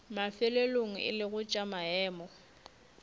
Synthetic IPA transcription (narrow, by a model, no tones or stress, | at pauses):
mafɪleloŋ̩ɪ̰lɪɣʊt͡ʃʼamaɛːmɔ